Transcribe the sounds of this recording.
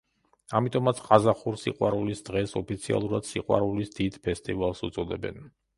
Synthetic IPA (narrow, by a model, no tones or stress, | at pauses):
amit̪ʼɔmat̪sʰqʼazaχuɾsḭqʼwaɾulisd̪ʁɛsɔpʰit̪sʰia̰lˠuɾad̪̥siqʼwa̰ɾulisd̪id̪̥pʰɛst̪ʼivalˠsut̪sʼɔd̪ɛbɛ̰n